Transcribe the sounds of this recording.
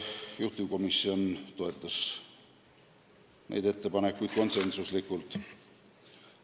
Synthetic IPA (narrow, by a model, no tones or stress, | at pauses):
juht̪ːuko̞misːio̞nt̪o̞e̞t̪ˑːɑs | nʔḛjd̪e̞t̪ːe̞pɑne̞kːujd̪̚ko̞nse̞nsuslikːˑult̪ˑ